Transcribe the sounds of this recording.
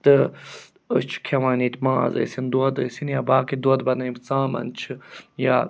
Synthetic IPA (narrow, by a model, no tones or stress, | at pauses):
t̪ə | ət͡ʃʰkʰewaːnit̪ʲmã̰ːzɐ̰sind̪uɐd̪əsinjabaːkid̪uɐt̪bɐnɐibt͡sãːmɐ̰nt͡ʃʰɨjaː